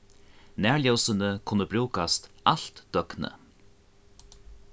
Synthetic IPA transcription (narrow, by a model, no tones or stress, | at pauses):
næːɹɭjɔwsənəkʰʊnːəbɾuːkast̪aɬt̪d̪̥œknə̰